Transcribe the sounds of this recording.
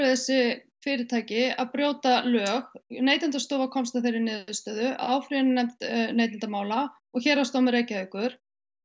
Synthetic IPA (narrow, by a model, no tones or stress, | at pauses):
ɪθɛsːɪ | fɪːɾɪ̥t̪ʰaːjcɪaðpɾjoːwt̪alœːɣneːjt̪ɪnt̪ast̪owvakʰɔmst̪aθejɾɪɾnɪːðʏst̪œːðʏʔa̰ːwfɾinnɛmt̪neːjt̪ɪnt̪amaːwla | ɔɣçɛːɾast̪owmɪɾejcaœkʏɾ̥